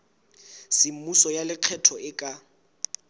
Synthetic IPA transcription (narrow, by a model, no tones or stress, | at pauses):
sɪm̩musɔjalɪq͡χʰɛtʰɔɪkʼa